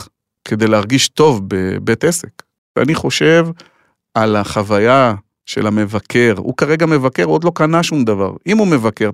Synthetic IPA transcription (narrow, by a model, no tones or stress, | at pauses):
ke̞d̪ejleaʁɡiʃto̞vbebet̪esek | vea̰niχo̞ʃe̞v | alaχavaja | ʃe̞̰lame̞vakʰe̞ʁhṵkaʁe̞ɡame̞vake̞ʁuod̪lo̞kanaʃumd̪ava̰ʁimume̞vake̞ʁ